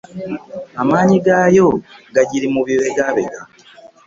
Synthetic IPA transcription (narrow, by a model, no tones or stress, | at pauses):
amaːɲiɡaːjo̞ɡaɟiɾimuβiwe̞ɡaβeɡa